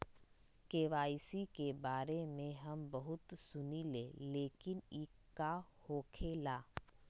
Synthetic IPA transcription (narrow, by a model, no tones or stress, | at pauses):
keːʋaːisikebaːɾemẽɦɐmbɐɦʊt̪sʊnileːleːkɪnikː | ahoːkʰeːlaː